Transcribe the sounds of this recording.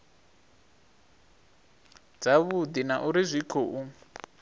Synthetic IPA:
d͡zaβud̪inaʔuɾizʷikʰoʔu

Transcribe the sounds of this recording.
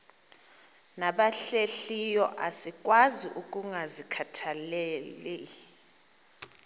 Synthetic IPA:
naɓaɬeɬijɔʔasik̬ʼwaziʔuk̬ʼuŋʱazikʰatʰaleːli

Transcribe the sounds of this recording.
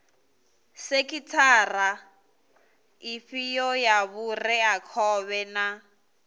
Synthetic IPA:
sekʼitʰaːra | ifijɔjaβurɛakʰɔβɛna

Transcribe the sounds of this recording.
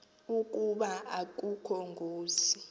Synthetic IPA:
uk̬ʼuɓaak̬ʼukʰɔŋɡʱoːzi

